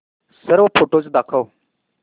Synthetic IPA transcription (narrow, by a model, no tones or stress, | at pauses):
səɾʋpʰoːʈoːt͡ʃd̪akʰəw